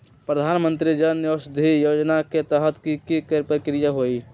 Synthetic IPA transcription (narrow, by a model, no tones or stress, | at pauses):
pɾəd̪ʱaːnmə̃nt̪̬ɾid͡ʒənjoːsd̪ʱijoːd͡ʒnaket̪əɦət̪kikikəɾpəɾkɪɾɪjaɦoːi